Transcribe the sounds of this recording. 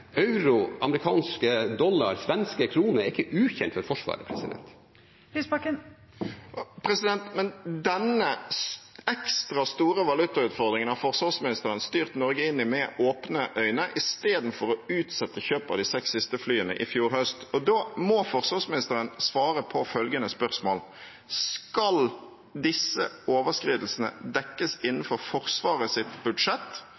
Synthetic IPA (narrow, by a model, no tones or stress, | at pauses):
ɑʉɾʊʔɑməɾɪkʰɑːnskəd̪ɔlːɑ̰ɾsʋɛnskəkʰɾuːnəɾɛɾɪkːəʔʉːçɛnt̪fɔɾfɔʂʋɑ̰ːɾə̰pʰɾɛ̰sɪd̪ɛ̰nt̪ | ɪspɑkə | pʰɾɛsɪd̪ɛnt̪mɛnd̪ɛnəsɛkst̪ɾɑst̪uːɾəʋɑlʉt̪ːɑʉːt̪fɔʁd̪ʁɪŋənhɑfɔʁsɑsmɪnɪst̪əɾənst̪yːʁt̪nɔɾɡəɪnːɪmɛoːpnəʔœʏnəʔɪst̪eːd̪n̩fɔɾɔʉːt̪sɛt̪ːəçøːpɑʋd̪ɪsɛksɪst̪əflyːənə̰ʔɪfjuːɾhœst̪ɔd̪oːmɔfɔɾsʋɑːsmɪnɪst̪əɾənsʋɑːɾəpʰɔfœlɡənəspœʁsmo̰ːl | skɑl | d̪ɪsːəoːʋəskɾiːd̪lsn̩ə̰d̪ɛkːəsɪnːn̩fɔɾfɔɾsʋɑːʁəsɪt̪bʉd̪ʂɛt̪ː